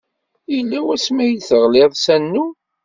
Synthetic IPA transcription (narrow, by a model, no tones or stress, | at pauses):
jlːæwæsmæjiθəʁleðˤsænːu